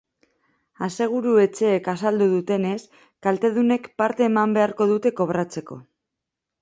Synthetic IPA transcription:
ase̞ɣ̞uɾue̞t͡ʃe̞ːkasald̪uðut̪e̞ne̞s | kalt̪e̞ð̞une̞kpaɾt̪e̞ːmambe̞aɾko̞ðut̪e̞ko̞βɾat͡se̞ko̞̰

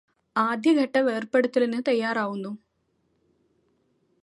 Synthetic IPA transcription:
aːd̪ʱjɐɡʱɐʈːɐʋe̞ːrpeɽɐt̪ːilenːɨt̪ɐjːaːɾaːʋunːu

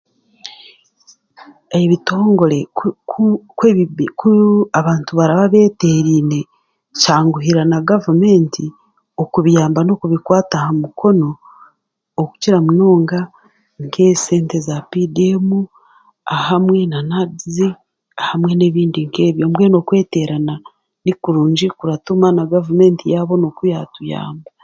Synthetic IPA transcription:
eβito̞ːŋɡo̞ɾe̞ | kweikuaβaːntuβaɾaβaβe̞ːte̞ːɾiːne̞ | caːŋɡuɦiɾanaɡavume̞ːnti | okuβijaːmbano̞kuβikwaːtahamukʰo̞no̞ː | ku̥ciɾamuno̞ːŋɡa | ŋkʰese̞ːnte̞zapidemu | ahamwe̞nanadize | ahamwe̞ne̞ːβiːndiŋke̞ːβjo̞mbweno̞kwe̞ːte̞ɾana | nikuɾuːɲd͡ʒikuɾatumanaɡavume̞ːntijaβo̞no̞kujatuja̰ːmba

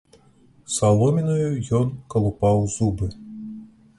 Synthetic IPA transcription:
salˠɔmʲinɐjujɔnkɐlˠupawzubɨ

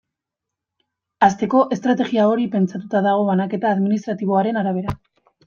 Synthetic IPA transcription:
ast̪e̞ko̞ʔe̞st̪ɾat̪e̞ɣiao̞ɾipe̞nt͡sat̪ut̪aðaɣ̞o̞βanake̞t̪aːðminist̪ɾat̪iβo̞aɾe̞naɾaβ̞e̞ɾa

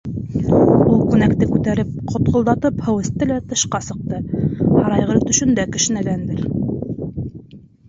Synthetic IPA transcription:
ulˠkʉnækt̪ɘkʉt̪æɾɘp̚qʰŏt̪qŏlˠd̪ɑt̪ɤphɤ̆wɘ̆st̪ɘlæt̪ɤ̆ʃqɑsɤ̆q̚t̪ɤhɑɾɑjʁɤɾt̪ɵ̆ʃɵ̆nd̪ækɘ̆ʃɘ̆nælænd̪ɘɾ

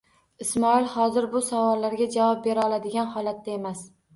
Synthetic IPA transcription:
ɪsmɒɪlˠhɒzɪɾbʊsavɒlːaɾɡʲad͡ʒavɒp̚be̞ɾaɒlˠad̪ɪɡʲanhɒlˠat̪ːae̞mas

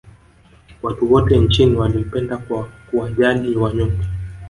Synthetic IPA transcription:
watuwɔtɛnt͡ʃiniwalim̩pɛndakkuaʄaliwaɲɔmki

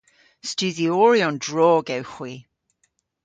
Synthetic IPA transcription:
stʉːðiɔːɹiɔ̃ndɹɔːɡɛwxwi

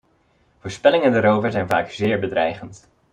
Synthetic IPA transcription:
vʊːɹspɛlɪŋəndaɾowvəɹzɛjnvaːkz̥ɪːɹbədrɛjχənt

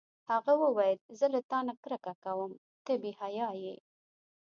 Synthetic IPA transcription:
haɣawəwajəlzəlat̪ɑnakɾəkakawəm | t̪əbihajɑje

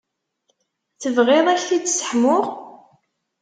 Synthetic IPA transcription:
θəvʁeðˤæçθid̪sə̥ħmʊʁ

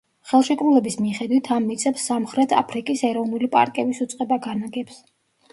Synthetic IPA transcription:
χɛlˠʃɛkʼɾulɛbismiχɛd̪wit̪ʰamːit̪sʼɛpsːamχɾɛt̪ʰa̰pʰɾikʼisɛɾɔvnulipʼa̰ɾkʼɛbisut̪sʼqʼɛbaɡanaɡɛps

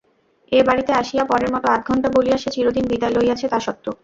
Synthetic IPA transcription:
ebaɽit̪eaʃijapɔɾeɾmɔt̪oat̪̚ɡʱɔɳʈaboliaʃet͡ɕiɾod̪inbid̪aelojat͡ɕʰet̪aʃɔt̪ːo

